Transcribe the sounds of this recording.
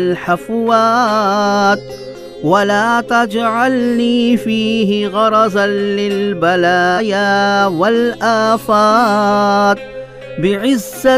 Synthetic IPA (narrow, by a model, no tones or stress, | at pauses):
lħafwaː | t̪̚ | walaːt̪ad͡ʒʕalniːfiːɦɪɣɑɾˤɑzanːɪlbalaːjaːwalʔaːfaː | t̪̚ | bɪʕɪzːa